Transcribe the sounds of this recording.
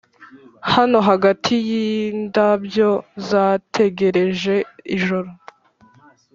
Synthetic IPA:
hano̞ɦaɡatʰijiːndabjo̞zaːtʰe̞ɡe̞ɾe̞ʒe̞iʒoɾo

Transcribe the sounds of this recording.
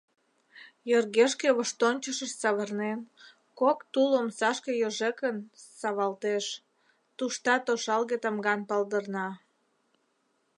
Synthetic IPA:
jørɣeʃkeβəʃt̪onʲt͡ɕəʃəʃsɑβərnen | kokt̪ulomsɑʃkejoʒekənsɑβɑlt̪eʃ | t̪uʃt̪ɑt̪oʃɑlɣet̪əmɡɑnpɑld̪ərnɑ

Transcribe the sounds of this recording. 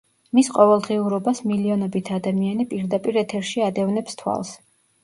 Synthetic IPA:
misqʼɔvɛlˠd̪ʁiuɾɔbasmiliɔnɔbit̪ʰad̪amianipʼiɾd̪apʼiɾɛt̪ʰɛɾʃiad̪ɛvnɛpst̪ʰwa̰lˠs

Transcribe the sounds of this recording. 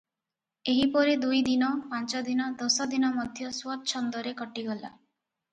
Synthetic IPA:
eɦipɔɾed̪ujd̪inɔpãnt͡ʃɔd̪inɔd̪ɔsɔd̪inɔmɔd̪ʱjɔswɔt̪̚t͡ʃʰɔnd̪ɔɾekɔʈiɡɔla̰

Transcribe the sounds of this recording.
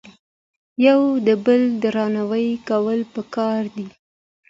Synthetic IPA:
jawd̪əbəld̪əɾɑnawəjkawəlpəkɑɾd̪i

